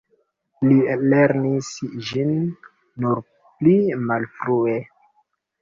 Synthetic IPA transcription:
lileɾnisd͡ʒinː | uɾ | plimalfɾue

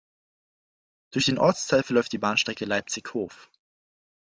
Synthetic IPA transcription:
d̥ʊɐçd̥eːnʔɔɐt͡stʰaɪlfɛɐlɔʏftd̥iːbaːnʃtʁ̥ɛkəlaɪp̚t͡sɪçhoːf

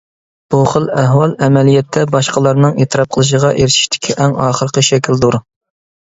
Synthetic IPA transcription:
b̥uχəlˠɛɦwɑlˠɛmɛlijɛt̪ʰːɛbɑʃqəlˠɑɾnɨŋet̪ʰɨɾɑp̚qʰəlˠɨʃ̬əʁɑʔeɾɪʃi̥ʃt̪ʰɪ̥kʲʰiʔɛŋɑːχəɾqəʃɛkʲild̪uɾ

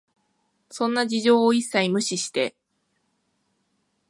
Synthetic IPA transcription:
sõ̞nːad͡ʑiʑo̞ːisːaimɯ̟ɕiɕi̥t̪e̞

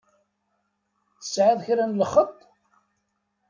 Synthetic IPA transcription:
θə̥sʕaðˤçɾænləχət̪ˤː

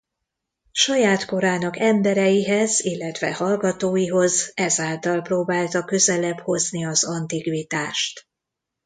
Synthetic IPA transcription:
ʃɒjaːt̪ko̞ɾaːnɒkɛmbɛɾɛjiɦɛzilːɛt̪ʋɛ̰hɒlɡɒt̪oːjiɦo̞zɛzaːlt̪ɒlproːbaːlt̪ɒkø̞zɛlɛbho̞zniɒzɒnt̪ikʋit̪aːʃt̪

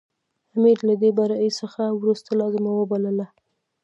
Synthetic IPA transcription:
amiɾlad̪ebaɾaisəxawɾust̪alɑzɪmawəbaləla

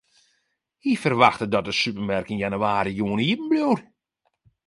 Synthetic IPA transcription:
hifərʋaxtədɔt̚əsypəmɛrkɪnjanyaːɾijuəniːpm̩bluwr

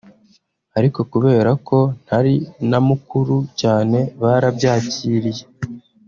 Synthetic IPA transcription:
aɾiko̞kuβe̞ːɾako̞n̥haɾinamukuɾucaːne̞βaɾabɟaːciːɾije̞

